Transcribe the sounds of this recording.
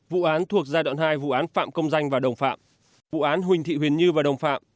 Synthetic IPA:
vṵ˧˨ʔaː˨˦nt̪ʰu˨˩ək̚zaː˧ɗwa̰ː˧˨nhaː˧jvṵ˧˨ʔaː˨˦nfa̰ː˧˨mkə˧wŋ͡mza˧jŋ̟vaː˨˩ɗə˨˩wŋ͡mfa̰ː˧˨m | vṵ˧˨ʔaː˨˦nɦwï˨˩ŋ̟t̪ʰḭ˧˨wi˨˩ənɲɨ˧vaː˨˩ɗə˨˩wŋ͡mfa̰ː˧˨m

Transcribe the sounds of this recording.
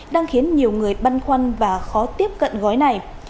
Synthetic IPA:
ɗaː˧ŋxi˨˦ənɲi˨˩əwŋɨ˨˩əjɓa˧jnxwa˧jŋ̟vaː˨˩xɔ˨˦t̪i˦˥əp̚kə̰˧˨nɣɔ˨˦jna˨˩j

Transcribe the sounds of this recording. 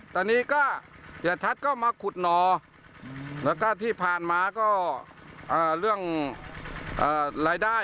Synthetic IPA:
t̪aː˧niː˧˥˨kaː˧˥˩ | t̪ʰi˨˩ət̪ʰa˧˥t̪̚kɔː˧˥˩wmaː˧˥kʰu˨˧˩t̪̚nɔː˨˩ | lɛː˧˥˩wka˧˥˩t̪ʰiː˧˩pʰaː˨˩nmaː˧kɔː˥˩ | ʔaː˧˩lɯ˥˩əŋ | ʔaː˧˩laː˧˥jdaː˧˥˩

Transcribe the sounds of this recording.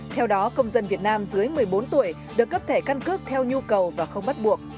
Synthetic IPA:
t̪ʰɛ˧wɗɔ˨˦kə˧wŋ͡mzə˧nvi˨˩ət̚naː˧mzɨ˨˦əjmɨ˨˩əjɓo˨˦nt̪u˧˩əj | ɗɨ˨˩əkːə˦˥p̚t̪ʰe˧˩ka˧nkɨ˦˥k̚t̪ʰɛ˧wɲu˧kə˨˩wvaː˨˩xə˧wŋ͡mɓa˦˥t̚ɓu˨˩ək̚

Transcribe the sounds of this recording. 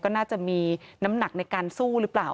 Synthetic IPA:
kɔː˥˩naː˥˩t͡ɕa˨˩miː˧na˦˥mna˨˩k̚na˧jkaː˧nsuː˥˩ɾɯ˦˥plaː˨˩

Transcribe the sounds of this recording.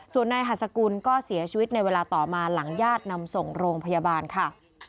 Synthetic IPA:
su˨˩ənːa˧jɦa˨˩t̪̚sa˧kuː˧nkɔː˥˩si˨˩˦ɐt͡ɕʰi˧wi˦˥t̪̚na˧jweː˧laː˧t̪ɔː˨˩maː˧la˩˦ŋjaː˥˩t̪̚na˧mso˨˩ŋɾoː˧ŋpʰa˧jaː˧baː˧nkʰa˥˩

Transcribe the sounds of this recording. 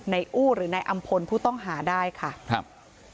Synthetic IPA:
na˧jʔuː˥˩ɾɯː˩˦na˧jʔa˧mpʰo˧npʰuː˥˩t̪ɔ˥˩ŋɦaː˩˦daː˥˩jkʰa˥˩k̚ʰ

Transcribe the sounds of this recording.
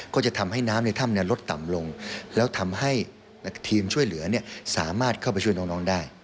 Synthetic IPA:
kɔː˥˩t͡ɕa˨˩ʔt̪ʰa˧mha˥˩jnaː˦˥mlɯ˧˥t̪ʰa˥˩mni˥˩ɐlo˦˥t̪ːa̰˨˩mlo˧ŋlɛː˦˥wt̪ʰa˧mɦa˥˩j | n˥t̪ʰiː˧mt͡ɕʰu˥˩əjlɯ˩˦ɐni˥˩əsa̰ː˩˦maː˥˩t̪̚kʰa˥˩p̬a˧t͡ɕʰu˥˩˨jnɔː˦˥ŋnɔː˦˥ŋdaː˥˩j

